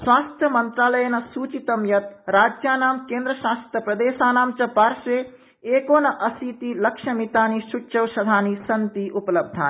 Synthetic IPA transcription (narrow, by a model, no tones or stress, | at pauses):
swaːst̪ʰjɐmɐnt̪ɾaːlɐjɐnɐsuːt͡ʃit̪ɐmjɐt̪̚ɾaːd͡ʒjaːnaːmkeːnd̪ɾɐʃaːst̪ɾjɐpɾɐd̪eːʃaːnaːmt͡ʃɐpaːɾʃeː | eːkoːnɐʔɐsiːt̪ilɐkʂɐmit̪aːniʃut͡ʃɐwʃɐd̪ʱaːnisɐnt̪iʔupɐlɐb̚d̪ʱaːn